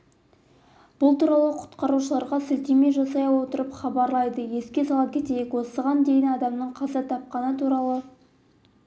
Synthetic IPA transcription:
b̥ʊlˠt̪ʰuɾɑlˠəqʰʊ̥t̪qɑɾuʃəlˠɑɾʁɑsʏlt̪e̞me̞jʒɑsɑjɑwo̞t̪əɾəpχɑbɑɾlˠɑjd̪əje̞skʲe̞sɑlˠɑp̚kʲʰe̞t̪e̞jekwo̞səʁɑnd̪e̞jɪnɑd̪ɑmnəɴqʰɑzɑt̪ʰɑp̚qɑnət̪ʰuɾɑlˠə

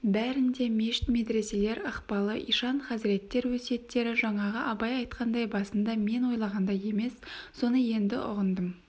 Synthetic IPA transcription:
bæɾɪnd̪e̞me̞ʃɪ̥t̪me̞d̪ɾe̞se̞le̞ɾɑqpɑlˠəʔijʃɑɴχɑzɪɾe̞t̪ːe̞ɾwɵse̞t̪ːe̞ɾɪʒɑɴɑʁəʔɑbɑjɑjt̪qʰɑnd̪ɑjbɑsənd̪ɑme̞nwo̞jlˠɑʁɑnd̪ɑje̞me̞sːo̞nəje̞nd̪ɪ̰ʔʊ̰ʁənd̪əm

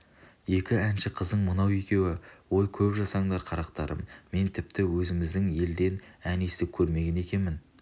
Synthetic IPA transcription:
je̞kʲɪænʃɪqʰəzd̪əɴmʊnɑwe̞kʲe̞wɪwo̞jkʲʰɵpʒɑsɑɴd̪ɑɾqʰɑɾɑqt̪ɑ̰ɾə̰mːe̞nt̪ʰɪp̚t̪ɪwɵzɪmɪzd̪ɪŋje̞ld̪e̞nænesɪp̚kʲʰɵɾme̞ɡʲene̞kʲe̞nmɪn

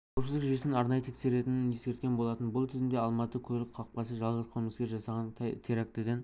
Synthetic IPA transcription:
kʰʲawpsɪzɪkʒʏjesnɪnɑɾnɑjət̪ʰekʲse̞ɾe̞t̪ɪnɪneskʲe̞ɾt̪kʲenbo̞lˠɑt̪ənbʊlˠt̪ʰɪzɪmd̪e̞ɑlˠmɑt̪əkʲʰɵlɪk̚qʰɑq̚pɑsəʒɑlˠʁəzqʰolˠməskʲe̞ɾʒɑsɑʁɑnʰt̪ʰeɾak̚t̪ed̪en

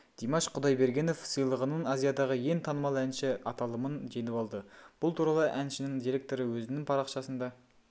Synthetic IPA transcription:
d̪̥imɑʃqʰʊd̪ɑjbe̞ɾɡʲe̞nofsɯjlˠəʁənəɴɑzijɑd̪ɑʁəje̞nt̪ʰɑnəmɑlˠænʃɪɑt̪ɑlˠəmənʒe̞nɪpɑlˠd̪əb̥ʊlˠt̪ʰuɾɑlˠəʔænʃɪnɪŋd̪iɾʲe̞k̚t̪o̞ɾəwɵzɪnɪŋpʰɑɾɑqʃɑsənd̪ɑ

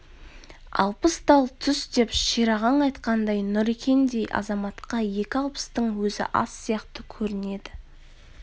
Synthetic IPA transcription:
ɑ̰lˠpəsd̪ɑlˠt̪ʰʏsd̪e̞pʃiɾɑʁɑɴɑjt̪qɑnd̪ɑjnʊɾekʲʰe̞nd̪e̞jʔɑ̰zɑmɑt̪qɑje̞kʲɪɑlˠpə̥st̪əɴwɵzɪ̰ʔɑ̰sːijɑqt̪əkʲʰɵɾɪne̞d̪ɪ

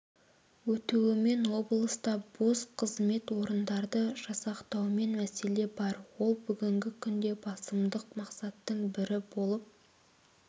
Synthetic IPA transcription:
wɵt̪uwɪme̞nwo̞blˠəst̪ɑb̥o̞sqʰəzme̞t̪wo̞ɾənd̪ɑɾd̪əʒ̥ɑsɑqt̪ɑwme̞nmæse̞le̞bɑɾwo̞lˠbʏɡʲɪŋɡʲɪkʲʰʏnd̪e̞bɑsəmd̪əqmɑqsɑt̪ːəɴbɪɾɪbo̞lˠəp̚

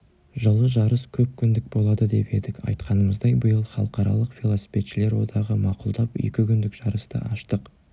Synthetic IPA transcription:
ʒəlˠəʒɑɾəskʲʰɵp̚kʲʰʏnd̪ɪk̚bo̞lˠɑd̪əd̪e̞pe̞d̪ɪkɑ̰jt̪qɑnəməzd̪ɑjbəjəlˠχɑlˠəqɑɾɑ̰lˠəqfʲilˠosi̥fe̞t̪ʃɪle̞ɾwo̞̰d̪ɑʁəmɑqʊlˠd̪ɑpḛkʲɪkʲʏnd̪ɪkʒ̥ɑɾəst̪ə̰ʔɑʃt̪əq

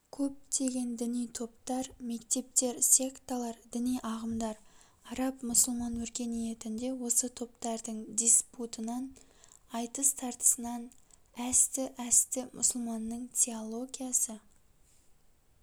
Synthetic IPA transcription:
kʲʰɵp̚t̪ʰe̞ɡʲe̞nd̪ɪnijt̪ʰo̞pt̪ɑɾme̞kt̪e̞p̚t̪e̞ɾsʲe̞kt̪olˠɑɾd̪ɪnijʔɑʁəmd̪ɑɾ | ɑɾɑpmʊsəlˠmɑnwɵɾkʲe̞nije̞t̪ɪnd̪e̞wo̞sət̪ʰo̞pt̪ɑɾd̪əɴd̪ʲisput̪ənɑn | ɑjt̪əst̪ʰɑɾt̪ə̥sənɑnæst̪ɪʔæst̪ɪmʔʊ̰səlˠmɑnːəɴt̪ʲʰe̞olˠo̞ɡʲijɑsə

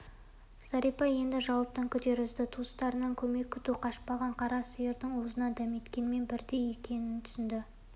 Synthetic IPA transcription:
z̥ɑɾipɑje̞nd̪ɪʒɑwɑp̚t̪əŋkʲʰʏd̪e̞ɾɪzd̪ɪt̪ʰust̪ɑɾənɑŋkʲʰɵme̞kʲːʰʏt̪uqʰɑʃpɑʁɑɴqʰɑɾɑsəjeɾd̪ɪŋwozənɑd̪æme̞t̪kʲe̞nme̞nbɪɾd̪e̞je̞kʲʰe̞nɪnt̪ʰʏ̥sɪnd̪ɪ

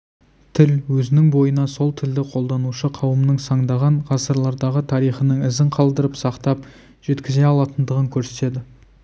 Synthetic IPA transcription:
t̪ʰɪlwɵzɪnɪŋbo̞jənɑso̞lˠt̪ʰɪld̪ɪqʰo̞lˠd̪ɑnuʃəqʰɑwəmnəŋsɑɴd̪ɑʁɑɴʁɑsəɾlˠɑɾd̪ɑʁət̪ʰɑɾijχənəŋɪzɪɴqʰɑlˠd̪əɾəpsɑqt̪ɑp | ʒ̥e̞t̪kʲɪze̞ɑlˠɑt̪ənd̪əʁəŋkʲʰɵɾse̞t̪e̞d̪ɪ

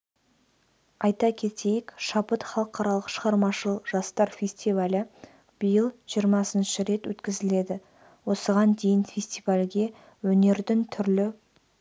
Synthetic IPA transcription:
ɑjt̪ɑkʲʰe̞t̪ʰe̞jɪkʃɑpət̪χɑlˠəqɑɾɑlˠəqʃəʁɑɾmɑʃəlˠʒ̥ɑst̪ɑɾfʲe̞st̪ivalʲɪ | b̥əjəlˠʒ̥ijəɾmɑsənʃɪɾe̞t̪wɵ̰t̪kʲɪzɪle̞d̪ɪ | wo̞səʁɑnd̪e̞jɪnfʲest̪ivalʲɡʲe̞ | wɵne̞ɾd̪ɪŋt̪ʰʏɾlɪ

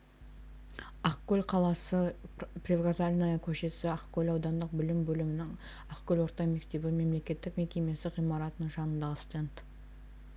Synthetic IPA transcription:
aqkʲːɵlqʰɑlˠɑsəprʲevɡazalʲinajɑkʲʰɵʃe̞sɪaqkʲʰɵlɑwd̪ɑnd̪əq̚bʏlɪmbɵlɪmɪnɪŋ | ɑqkʲɵlwo̞ɾt̪ɑjme̞kt̪e̞bɪme̞mle̞kʲe̞t̪ːɪkme̞kʲe̞me̞sɪʁijmɑɾɑt̪ənəɴʒɑnənd̪ɑʁəst̪ent̪

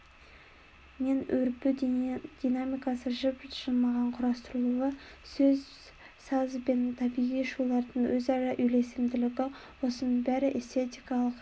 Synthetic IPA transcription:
menɵɾpɪd̪̥inamijkɑsəʒɪpʒ̥əlˠmɑʁɑɴqʰʊɾɑst̪əɾulˠulˠəsɵz | sɑzbent̪ʰɑbiʁijʃulˠɑɾd̪əɴwɵzɑɾɑʔʏjle̞sɪmd̪ɪlɪɡʲɪ | wo̞sənəbæɾɪʔest̪ʰet̪ijkɑlˠəq

